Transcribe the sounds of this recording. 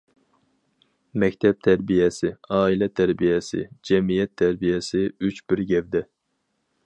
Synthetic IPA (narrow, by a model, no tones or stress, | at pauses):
mɛkʲt̪ʰɛp̚t̪ʰæɾbijɛsɪɑːilɛt̪ʰæɾbijɛsɪ̰d͡ʒɛmijɛt̪ʰːæɾbijɛsɪyt͡ʃbɪɾɡʲɛvd̪ɛ